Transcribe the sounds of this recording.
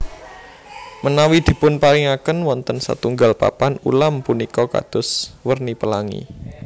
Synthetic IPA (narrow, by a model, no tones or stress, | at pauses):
mənawid̪̥i̤pʊnpaɾiŋakənwɔnt̪ənsa̰t̪uŋɡalpa̰panṵlampunikɔka̰d̪̥ʊ̤swərnipəlaŋḭ